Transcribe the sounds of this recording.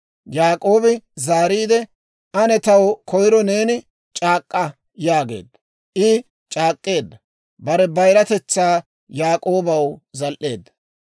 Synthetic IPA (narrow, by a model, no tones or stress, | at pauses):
jaːkʼo̞ːbɪzaːɾiːd̪ɛ | ɐnɛt̪ɐwkɔjɪɾɔne̞ːnɪ | t͡ʃʼaːkʼːɐ | jaːɡe̞̰ːd̪ːɐ | ʔɪ | t͡ʃʼaːkʼːe̞ːd̪ːɐ | bɐɾɛbɐjɾɐt̪ɛt͡sːaː | jaːkʼo̞ːbɐwzɐlʔe̞ːd̪ːɐ̥